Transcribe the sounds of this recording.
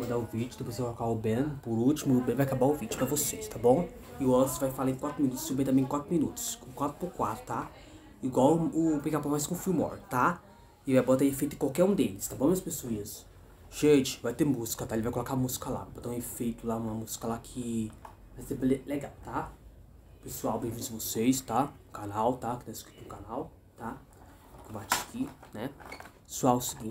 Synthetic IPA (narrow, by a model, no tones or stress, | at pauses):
mɐ̃nd̪aʊvid͡ʒʊt̪õpɾosejkolokaʊbẽnpʊɾut͡ʃimʊːbẽvajakabaʊvid͡ʒʊpɾɐvosest̪abõw̃ | ɪʊɔsvajfalaẽkwat̪ɾʊminut̪ʊ̥subẽt̪ɐ̃mẽkwat̪ɾʊmĩnut̪ʊ̥skwat̪ɾʊpʊkwat̪ɾʊt̪a | iɡwawʊpĩkapãmajskõʊfiwmɔ̰̃ɾt̪a | ɪvajbot̪ãefejt̪ʊẽkawkɛɾũd̪elɪst̪abõmeɐspesuiɐs | ʒ̥ẽt͡ʃɪ̥vajt̪emuz̥kɐt̪aelɪvajkolɔkaɐmuzi̥kɐla̰vabɔt̪ãũefejt̪ʊlaũmɐmuzi̥kɐlakʰɪ | asẽbleleɡawt̪a | pesuawbẽj̃vĩd̪ʊɐvosejst̪aʊkanawt̪akɪ̥t̪ãɪskɾit̪uũkanaw | t̪a | kõbat͡ʃi̥ḁkinɛpesuawʊsiɡĩt͡ʃ